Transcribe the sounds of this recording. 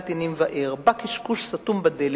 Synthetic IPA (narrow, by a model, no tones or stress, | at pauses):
t̪inimvaʔʔeʁbakiʃkuʃsat̪umbad̪el